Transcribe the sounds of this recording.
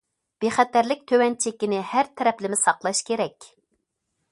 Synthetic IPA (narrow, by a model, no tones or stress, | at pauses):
b̥eχæt̪æɾlɪk̚ʲt̪ʰøwɛnt͡ʃʰekʲːinɪhæɾt̪ʰɛɾɛplɪmɪsɑqlˠɑʃkʲʰeɾɛkʲ